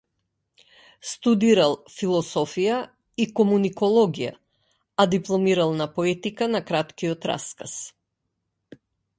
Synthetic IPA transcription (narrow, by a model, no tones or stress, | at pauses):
st̪ud̪iɾalˠfilˠɔsɔfija | ikɔmunikɔlˠɔɡija̰ | ad̪iplˠɔmiɾalˠnapɔɛt̪ikanakɾat̪kiɔt̪ɾa̰skas